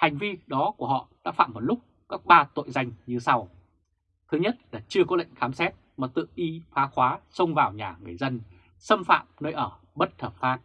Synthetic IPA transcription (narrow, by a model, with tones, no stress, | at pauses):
ha˨˩jŋ̟vi˧ɗɔ˨˦ku˧˩ɦɔ̰˧˨ɗa̰ː˧˥fa̰ː˧˨mːo˨˩lʊ˦˥k͡p̚ | kaː˦˥k̚ɓaː˧t̪o̰˧˨jza˧jŋ̟ɲɨ˧sa˧w | t̪ʰɨ˨˦ɲə˦˥t̚la̰ː˧˩t͡ɕɨ˧əkɔ˨˦lə̰˧˨jŋ̟xaː˨˦msɛ˦˥t̚maː˨˩t̪ɨ̰˧˨ʔi˧faː˨˦xwaː˨˦sə˧wŋ͡mvaː˨˩wɲaː˨˩ŋɨ˨˩əjzə˧n | sə˧mfa̰ː˧˨mnəː˧jʔəː˧˩ | ɓə˦˥t̚t̪ʰəː˨˩p̚faː˦˥k̚